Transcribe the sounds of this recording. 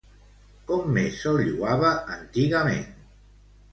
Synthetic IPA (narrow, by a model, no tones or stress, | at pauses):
kɔmːesolʎuaβəʔənt̪iɣəmḛn